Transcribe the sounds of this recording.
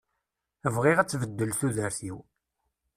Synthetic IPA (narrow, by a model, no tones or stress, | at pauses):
əvʁiʁæt͡sːvəd̪ːəlθuðəɾθiw